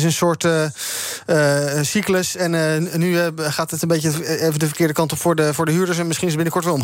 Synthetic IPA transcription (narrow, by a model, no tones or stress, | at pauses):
ɪs̬ənsʊːɹt | əsikləsɛnnyχaːtətənbejəejvəndəvəɹkɪːɹdəkɑntɔpfʊːɹdəfʊːɹdəɦyːɹdəɹs̬ɛnmɪsχinɪsəbɪnəkɔɹtʋɛlˠm